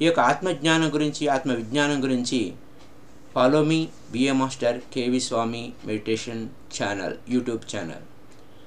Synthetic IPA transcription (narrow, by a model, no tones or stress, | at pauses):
jekat̪mɐɡɲaːnɐɡɐɾuɲt͡ɕiaːt̪mɐʋiɡ̪ɲaːnɐŋɡəɾuɲt͡ɕiː | faːloːmi | ʋiemaːsʈɐɾkeːʋisʋaːmimeɽiʈeːʃɐn | t͡ɕaːnɐ̰ljuːʈjuːbt͡ɕa̰ːnɐ̰l